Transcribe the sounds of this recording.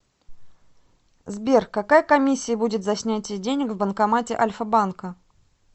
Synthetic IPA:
zbʲerkːɐkajəkɐmʲisʲːɪjəbudʲɪt̪zɐsʲnʲætʲɪjdʲenʲɪkvbənkɐmatʲɪ̰ʔɐlʲfəbankə

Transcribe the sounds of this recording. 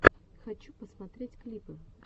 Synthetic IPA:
xɐt͡ɕupəsmɐt̪ɾʲetʲklʲipɨ

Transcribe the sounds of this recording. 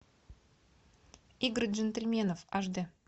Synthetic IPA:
iɡrʒent̪ʲelʲmʲenofɑʒd̪ə

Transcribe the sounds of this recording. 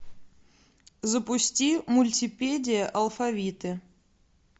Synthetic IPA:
zəpusʲtʲimulʲtʲipʲedʲɪjəʔɐlˠfavʲit̪ɨ

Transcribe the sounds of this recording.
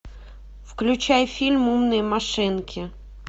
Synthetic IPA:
fklʲʉt͡ɕajfʲilʲmumnɨjəmaʂɨnkʲʰɪ

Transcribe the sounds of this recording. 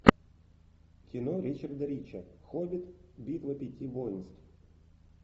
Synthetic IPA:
kʲɪnoɾʲit͡ɕɐrd̪ɐɾʲit͡ɕɐxobʲit̪bʲit̪vˠɐpʲɪtʲivojnst̪f

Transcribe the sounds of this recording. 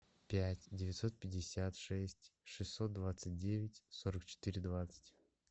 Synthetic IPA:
pʲætʲdʲɪvʲɪt̪so̞t̪̚pʲɪdʲɪsʲat̪ʂɛsʲtʲʂɨsʲːo̞t̪̚d̪vat̪sɨt̚ʲdʲevʲɪtʲsoɾəkt͡ɕɪ̥t̪ɨɾʲɪd̪vat̪sə̥tʲ

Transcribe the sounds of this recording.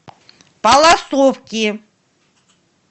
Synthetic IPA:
balˠasofkʲi

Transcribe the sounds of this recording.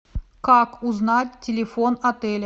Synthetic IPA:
kakʊznatʲtʲːɪlʲɪfonɐt̪ɛlʲ

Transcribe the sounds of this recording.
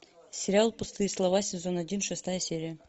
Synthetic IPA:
sʲɪɾʲɪalˠpʊst̪ɨjslˠɐvasʲɪzo̞nɐdʲinʂɨst̪ajəsʲeɾʲɪjə

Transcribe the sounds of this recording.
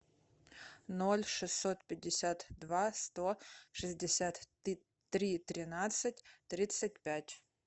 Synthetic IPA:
nolʲʂɨsːot̪pʲɪdʲːɪsʲat̪d̪vast̪oʂɨzʲdʲɪsʲat̪ | t̪ɾʲit̪ɾʲɪnat̪sɨt̚ʲt̪ɾʲit̪sɨt̚ʲpʲætʲ

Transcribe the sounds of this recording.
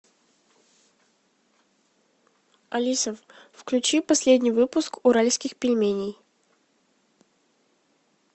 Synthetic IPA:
ɐlʲisəffklʲʉt͡ɕipɐsʲlʲed̪ʲnʲɪjvɨpʊskʊɾalʲskʲɪxpʲɪlʲmʲenʲɪj

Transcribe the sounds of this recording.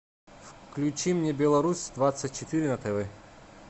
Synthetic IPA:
fklʲʊt͡ɕimnʲebʲɛlˠɐɾusʲd̪vat̪sətʲt͡ʃːɪt̪ɨɾʲɪnɐt̪ɛvɛ

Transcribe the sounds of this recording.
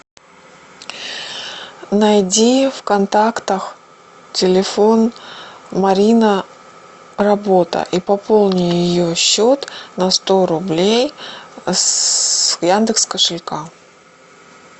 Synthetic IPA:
nɐjdʲifkɐnt̪akt̪əx | tʲɪlʲɪfo̞n | mɐɾʲinə | rɐbo̞t̪ə̰ʔipɐpo̞lˠnʲɪjjɪjoɕːo̞t̪nɐst̪o̞ɾʊblʲej | jand̪ɨkskəʂɨlʲka

